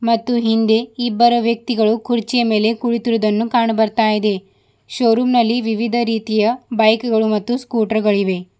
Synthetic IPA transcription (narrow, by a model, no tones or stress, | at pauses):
mɐt̪ːuɦind̪e̞ibːɐɾɐʋjɐk̚t̪iɡɐɭukʰuɾt͡ʃijɐme̞ːle̞kuɭit̪iɾʋud̪ɐnːukaːɳɐbɐɾt̪aːjid̪e̞ | ʃoːɾuːmnɐlːiʋiʋid̪ʱɐɾiːt̪ijɐbɐjkɡɐɭumɐt̪ːuskuːʈɐɾɡɐɭiʋe̞